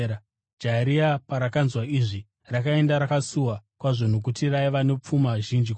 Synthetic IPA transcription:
d͡ʒaɾiapaɾakanzwaiʐi | rakae̞ndaɾakasuwakwaʐon̤uk̬utiraiʋano̞p͡fumaʒind͡ʒik

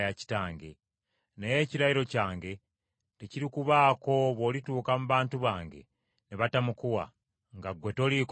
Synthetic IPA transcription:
jaci̥taːŋɡe̞̰ | neje̞ːciɾajiɾo̞caːŋɡe̞ | teciɾikuβaːko̞βo̞lituːkamuβaːntuβaːŋɡe̞̰ | neβatamukuwa̰ | ŋɡaɡwe̞to̞lik

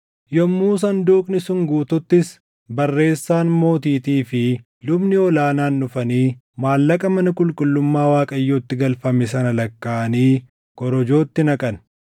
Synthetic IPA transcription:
jɔmːuːs̬ɐnd̪uːkʼnɪsʊŋɡuːt̪ʊt̪ːɪs | bɐrːe̞ːsːaːnmo̞ːt̪iːt̪iːfɪ | lʊbnɪɔlaːnaːnːʊfɐniː | maːlːɐkʼɐmɐnɐkʼʊlkʼʊlːʊmːaːwaːkʼɐjːoːt̪ːɪɡɐlfɐmɪs̬ɐnɐlɐkːaːʔɐniː | kʼɔɾɔd͡ʒo̞ːt̪ːɪnɐkʼɐn

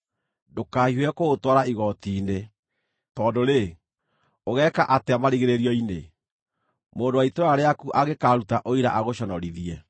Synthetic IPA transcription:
dokaːhiwɛkoɣotwaɾaiɣɔtiːne | tɔːdoɾe | oɣɛkaʔateamaɾiɣeɾeɾiɔine | moːndowaitoɾaɾeakuʔaɣekaɾutaʔoiɾaʔaɣoɕɔnɔɾiðiɛ

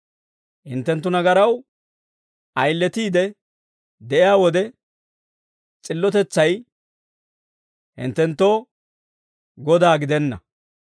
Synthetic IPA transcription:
hɪnt̪ːɛnt̪ːʊnɐɡɐɾɐw | ʔɐjlːɛt̪iːd̪ɛ | d̪ɛʔɪjaːwɔd̪ɛ | t͡sʼɪlːɔt̪ɛt͡sːɐj | hɪ̰nt̪ːɛnt̪ːoː | ɡɔd̪aːɡɪd̪ɛnːɐ̰

